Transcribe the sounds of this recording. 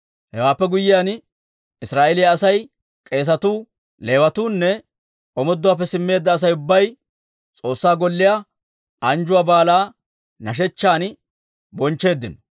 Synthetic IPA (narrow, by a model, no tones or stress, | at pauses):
hɛwaːpːɛɡʊjːɪjaːn | ɪsɾaːʔɛlɪjaːsɐj | kʼe̞ːs̬ɐt̪uː | le̞ːwɐt̪uːnːɛ | ʔɔmɔd̪ːʊwaːp̬ːɛsɪmːe̞ːd̪ːɐːs̬ɐjʊbːɐj | t͡sʼo̞ːsːaːɡɔlːɪja | ʔɐnd͡ʒʊwaːbaːlaː | nɐʃ̬ɛt͡ʃːaːn | bɔnt͡ʃːe̞ːd̪ːɪnɔ